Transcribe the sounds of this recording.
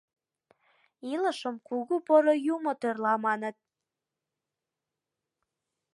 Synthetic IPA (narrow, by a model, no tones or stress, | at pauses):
iləʃəmkuɣupoɾojumot̪ørlɑmɑnət̪̚